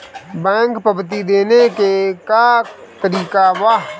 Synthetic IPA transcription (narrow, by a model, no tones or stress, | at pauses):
bɛ̃ːŋkpəbt̪id̪eːnekeka | t̪əɾiːkaʋa